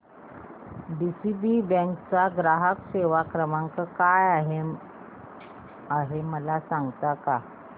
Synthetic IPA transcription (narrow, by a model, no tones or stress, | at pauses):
ɖisibibə̃ŋkt͡saɡɾaɦəkseʋakɾəmãŋkəkajaɦe | aɦeməlasãŋɡt̪aka